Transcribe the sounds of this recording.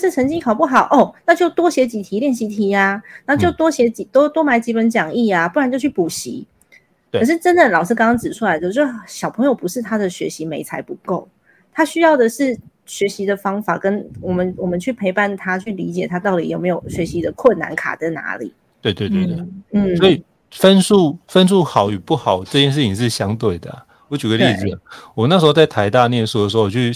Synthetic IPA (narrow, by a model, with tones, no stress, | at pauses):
ʂɻ̩˥˩t͡sʰə˧˥ŋt͡ɕi˥ŋkʰɑ˨˩ʊpu˥˩xɑ˨˩ʊʔɔ˥˩ʊna˥˧t͡ɕjo˥˩ʊt̪wɔ˥ɕjɛ˧˥t͡ɕi˨˩t̪ʰi˧˥ljɛ˥˩nɕi˧˥t̪ʰi˧˥a˧na˧˥˦t͡ɕjo˥˩ʊt̪wɔ˥ɕjɛ˧˥t͡ɕi˨˩t̪o˥ʊt̪wɔ˥ma˧˥ɪt͡ɕi˧˥pə˨˦nt͡ɕjɑ˨˩ŋi˥˩a˩pu˥˩ɻa˧˦nt͡ɕo˥˧ʊt͡ɕʰy˥˩pu˨˩ɕḭ˧˥ | kʰə˨˩ʂɻ̩˥˩ʈ͡ʂə˦˥nd̪ə˨lɑ˨˩ʊʂɻ̩˥˩kɑ˥ŋɑ˥ŋt͡sɻ̩˨˩ʈ͡ʂʰu˥la˧ɪd̪ə˧t͡ɕo˥ɕjɑ˨˩ʊpʰɤ˧ŋjo˨˩ʊpu˧˦ʂɻ̩˥˩t̪ʰa˥d̪ə˨ɕɥɛ˧˥ɕi˧˥me˧˥ɪt͡sʰa˧˥ɪpu˧˥ko˥˩ʊ | t̪ʰa˥ɕy˥jɑ˥˩ʊd̪ə˨ʂɻ̩˥˩ | ɕɥɛ˧˥ɕi˧˥d̪ə˨fɑ˥ŋfa˨˩kə˦˥nwɔ˨˩mə˦nwɔ˨˩mə˦nt͡ɕʰy˥˩pʰe˧˥ɪpa˥˩nt̪ʰa˥t͡ɕʰy˥˩li˧˥t͡ɕjɛ˨˩t̪ʰa˥t̪ɑ˥˩ʊt̪i˨˥jo˨˩me˧˥jo˨˩ʊɕɥɛ˧˥ɕi˧˥d̪ə˨kʰwə˥˩nːa̰˧˥nkʰa̰˨˩t͡sa˥˩ɪna̰˧˥lḭ˨˩˦ | t̪we˥˧ɪt̪we˥˧t̪we˥˧we˥˩n̩˥˩sɔ˧˥i˨˩ | fə˦˥nsu˥˧fə˦nsu˥˩xɑ˨˦ʊy˨˩pu˥˩xɑ˨˩˦ʊʈ͡ʂɤ˥˧t͡ɕjɛ˥˧nʂ̬̩˥˩t͡ɕʰi˨ŋʂɻ̩˥˩ɕjɑ˦ŋt̪we˥˩ɪd̪ə˩ | wɔ˧˦t͡ɕy˨˩ɡə˦lei˥˧˨z̩˨˩wna˥˩ʂɻ̩˧˥xo˥˧t͡sa˥˩ɪt̪ʰa˧˥ɪt̪a˥˧njɛ˥˧nsu˥˩də˨˩ʂ̬ɻ̩˧˥o˥˧wɔ˨˩t͡ɕʰy˥˩